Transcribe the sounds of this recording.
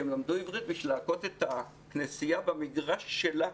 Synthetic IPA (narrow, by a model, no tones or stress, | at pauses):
emlamd̪uivʁit̪̚biʃvilako̞t̪et̪a | knesijabemiɡʁaʃːela